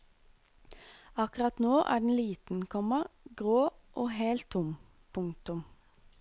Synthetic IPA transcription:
ɑkʉʁɑt̪noːʔæ̰ːɖɳ̩liːt̪n̩kʰɔməʁɡʁoːʔoːheːlt̪ʰʊm | pʰʊŋt̪ʊm

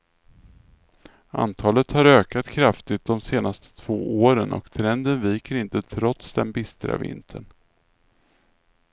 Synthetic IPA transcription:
a̰nt̪ʰɑːlət̪haɾøːkat̪kʰɾaft̪ɪt̪̚d̪ɔmseːnast̪ʰə̥t̪ʰv̥oːʔoːɾənʔɔ̰kt̪ʰɾɛnd̪ənviːkəɾɪnt̪ət̪ʰɾɔt̪sd̪ɛnbɪst̪ɾa̰vɪ̰nt̪ʰəɳ

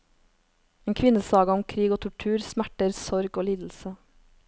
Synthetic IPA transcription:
eːnkʰʋɪnəsɑːɡəɔmkʰɾiːɡoːt̪ʰʊʈʰʉːɾsmæʈəɾsɔɾɡoːliːd̪l̩sə

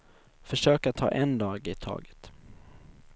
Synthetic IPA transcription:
fœʂøːkat̪ʰːɑ̰ːʔɛnd̪ɑːɡɪt̪ʰɑ̰ːɡə̥t̪

